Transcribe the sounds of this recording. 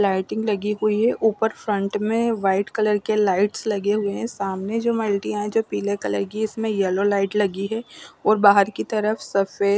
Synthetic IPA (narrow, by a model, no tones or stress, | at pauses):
laːɪʈɪ̃ŋɡlɐɡiɦʊiɦɛʔuːpəɾfɾə̃ɳʈmẽʋaːɪʈkɐləɾkelaːɪʈslɐɡeɦʊeɦɛ̃saːmned͡ʒoːmelʈiãɛ̃d͡ʒoːpiːlekɐlə̰ɾɡiɪsmẽjɛlolaːɪʈlɐɡiɦɛːɔːɾbaːɦəɾkit̪ɐɾəfsɐfeː